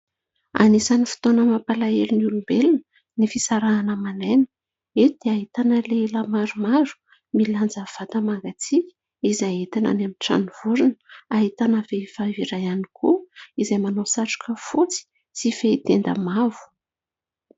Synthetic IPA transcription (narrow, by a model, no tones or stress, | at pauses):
a̰nisanifi̥t̪onəmapalaelunulumbelinə | nifisaɾaːnəmanenə | ed̪̥eaɦit̪anəlelamaɾumaɾu̥ | miland͡zav̥at̪əmaŋɡat͡sikʲ | izajet̪ana̰namiʈ͡ʂa̰nuv̥uɾinəaɦit̪anəveifaviɾajanikʰuizajmanosaʈ͡ʂu̥kəfut͡si̥ | sifeit̪end̪ə̰mavu̥